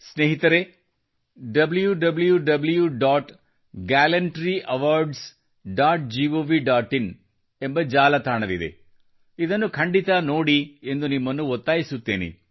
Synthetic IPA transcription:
sneːɦit̪ɐɾe | ɖɐbljuɖɐbljuɖɐbljuɖaːʈ | ɡaːlɐɳʈɾiʔɐʋaːɾɖs | ɖaːʈ̚d͡ʒiʋoːʋiɖaːʈːin | embɐd͡ʒaːlɐt̪ʰaːɳɐʋid̪ḛ | id̪ɐnːukʰɐɳɖit̪ɐnoːɽie̞nd̪unimːɐnːuɔt̪ːaːjisut̪ːeːnḭ

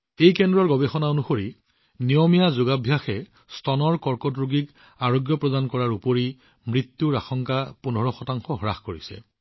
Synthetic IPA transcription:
ejkɛndɹɔɹɡɔbexɔnaonuxoɹi | nijɔmijazʊɡabʱjaxɛ | stɔnɔɹkɔɹkɔdɹuɡik | aɹoɡjɔpɹɔdankɔɹaɹupoɹi | mɹit̪ːuɹaxɔŋkapunʱɔɹɔxɔtaŋxɔɦɔɹaxkoɹisɛ̰

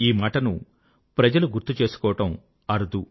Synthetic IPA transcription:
iːmaːʈɐnu | pɾɐd͡ʒɐluɡuɾt̪ːut͡ʃeːsu̥kɔːʋɐʈɐm | ɐɾud̪u

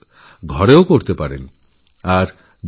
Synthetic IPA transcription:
ɡʱɔɾeokoɾt̪epaɾḛn | aɾ | b

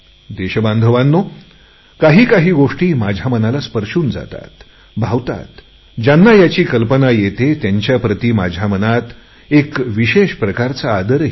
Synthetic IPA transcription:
d̪eɕbãnd̪ʱəʋanːo | kaɦiːkaɦiːɡoʂʈiːmad͡ʑʱamənalaspəɾʂuːnd͡za̰t̪a̰t̪ | bʱaʋt̪a̰t̪ | d͡ʑanːajat͡ɕiːkəlpənajet̪et̪jaɲt͡ɕjapɾət̪iːma̰d͡ʑʱamənat̪ | ekʋiɕeɕpɾəkaɾt͡saːd̪əɾ

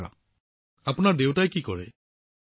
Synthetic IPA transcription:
a̰ | apunaɹdewtajkikɔɹḛ

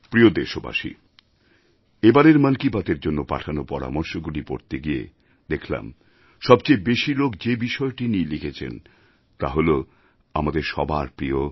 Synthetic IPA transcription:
pɾiod̪eʃoba̰ʃḭ | ebaɾeɾmənkibat̪eɾd͡ʑonːopa̰ʈʰanopɔɾa̰mɔɾʃoɡulipo̰ɾt̪eɡijḛ | d̪ekʰla̰m | ʃɔbt͡ɕejbeʃilokd͡ʑebiʃɔeʈinilikʰet͡ɕʰḛn | t̪aɦolo | amad̪eɾʃɔbaɾpɾio

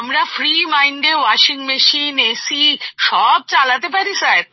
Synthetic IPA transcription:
əmɾafɾimaiɳɖewaʃiŋɡmeʃinesiʃɔb̚t͡ʃalat̪ep̬aɾisajɾ

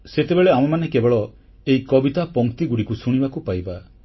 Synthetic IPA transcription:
set̪ebeɭeamɔmanekebɔɭɔ | eikɔbit̪apɔŋkt̪iɡuɽikusuɽ̃ibakupajba

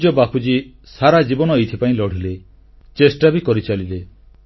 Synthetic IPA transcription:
d͡ʒɔbapud͡ʒi | saɾad͡ʒibɔnɔejt̪ʰipaĩlɔɽ̤ile | t͡ʃesʈabikɔɾit͡ʃalile

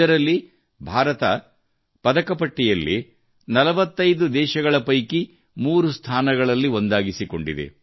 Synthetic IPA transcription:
ɐɾɐlːi | bʱaːɾɐt̪ɐ | pɐd̪ɐkɐpɐʈːijɐlːi | nɐlɐʋɐt̪ːɐjd̪ud̪ɛːʃɐɡɐɭɐpɐjki | muːɾust̪ʰaːnɐɡɐɭɐlːio̞nd̪aːɡisiko̞̰ɳɖid̪ḛ

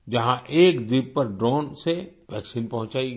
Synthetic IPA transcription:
d͡ʒɐɦãʔeːkd̪ibpːɐɾɖɾõːnseʋɛːksiːnpɐɦʊ̃ɲt͡ʃaːiɡ

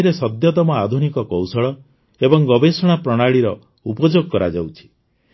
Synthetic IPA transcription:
ɾesɔd̪jɔt̪ɔmɔad̪ʱunikɔkɔwsɔɭɔ | ebɔŋɡɔbesɔɽ̃apɾɔɽ̃aɭiɾɔ | upɔd͡ʒoɡɔkɔɾa̰d͡ʒawt͡ʃʰi̥

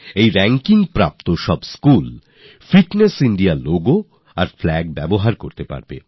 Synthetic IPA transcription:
ejɾɛŋkiŋpɾa̰p̚t̪oʃɔbskul | fiʈnesiɳɖialoɡo | aɾflɛɡ̚bɛboɦaɾkoɾt̪epa̰ɾbḛ

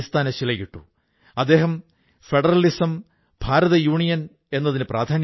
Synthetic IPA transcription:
st̪ʰaːnɐɕilɐjiʈːṵ | ɐd̪ːe̞ːɦɐm | feɖɐrɐlisɐm | bʱaːɾɐðɐjuːɳijɐn | e̞nːɐðinɨprʔaːd̪ʱaːn

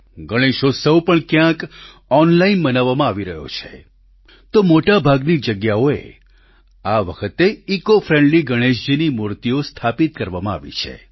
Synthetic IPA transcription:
ɡəɽ̃eʃosəwpəɳkjãk | ɔnlainbənaʋːamãaʋiɾəɦjo̰t͡ʃʰḛ | t̪omoʈabʱaɡnid͡ʒəɡjaoḛ | aʋəkʰət̪eikofɾẽɳɖliɡəɽ̃eʃd͡ʒinimuɾt̪iost̪ʰapit̪kəɾʋamãa̰ʋḭt͡ʃʰḛ

